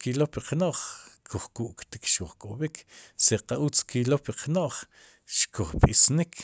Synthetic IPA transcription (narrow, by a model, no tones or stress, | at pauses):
kilopiqnoʔχkʰuχkuʔkt̪ikʃkuχkʼobikʰseqaʔut͡skilopiqnoʔχ | ʃkʰuχɓ̥isnikʰ